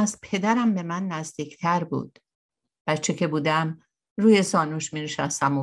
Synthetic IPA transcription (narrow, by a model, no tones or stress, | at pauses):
s̚pʰe̞d̪æɾæmbe̞mænːæzd̪iːct̪ʰæɾbṵːd̪̥ | b̥æt͡ʃʰecʰe̞buːd̪æm | ɾuːje̞sɒːnuːʃmineʃæst̪æmo